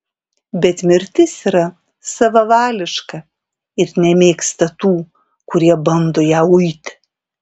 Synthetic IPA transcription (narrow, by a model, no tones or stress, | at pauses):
bʲɛt̪mʲɪɾʲt̪ʲɪsiɾɐ | sɐʋɐʋɑːlʲɪʃkɐ | ɪɾnʲɛmʲeːkst̪ɐt̪uː | kʊɾʲiɛbɐnd̪oːjæːʊɪt̪ʲ